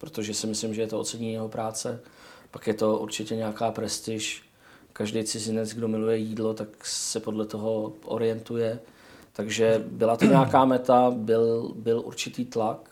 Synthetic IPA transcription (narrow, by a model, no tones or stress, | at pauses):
pɾot̪o̞ʒɛsɪmɪslɪmʒɛjɛt̪oot͡sɛɲiɲjɛɦo̞pɾaːt͡sɛpakjɛt̪o̞ʔṵɾt͡ʃɪcɛɲɛakaːpɾɛst̪ɪʃ | kaʒdɛjt͡sɪzɪnɛd͡zɡdo̞mɪlujɛjiːdlo̞t̪aksɛpo̞dlɛt̪o̞ɦo̞ʔo̰ɾɪjɛnt̪ujɛ | t̪aɡʒɛbɪlat̪oɲɛakaːmɛt̪abɪlbɪlʔṵɾt͡ʃɪt̪iːt̪lak